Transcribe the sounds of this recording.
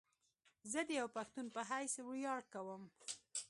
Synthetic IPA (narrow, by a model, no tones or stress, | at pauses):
zəd̪əjawpaxt̪unpəɦajswɽjɑɽ̚kawəm